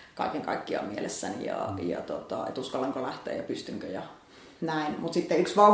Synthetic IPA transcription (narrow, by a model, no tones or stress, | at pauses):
kɑ̰ikeŋkɑikːiɑ̰mielesːænḭjɑ̰jɑ̰t̪ot̪ɑ̰ḛt̪uskɑlːɑŋkolæht̪ˑḛːjɑpyst̪yŋkøjɑ | næinmut̪sit̪ːeyksʋɑ